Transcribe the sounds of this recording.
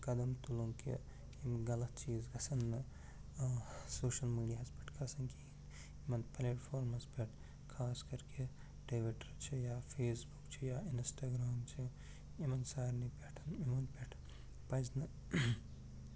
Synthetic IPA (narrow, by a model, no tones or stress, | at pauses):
kɐd̪ɐmt̪uluŋkḭ | imɡɐlɐt̪t͡ʃiːzɡɐsɐnːɨ | soːʃɐlmiːɖijaɦɐspɐʈʰkʰɐsɐnkiin | imɐnpleːʈfʰoːɾmɐspʲeʈʰ | kʰaːskɐɾke | ʈeːʋiʈɐɾt͡ʃʰijaːfʰeːsbukt͡ʃʰijaːinsʈaːɡɾaːmt͡ʃʰi | imɐnsaːɾnipeʈʰɐnimɐnpʲeʈʰ | pɐznɨ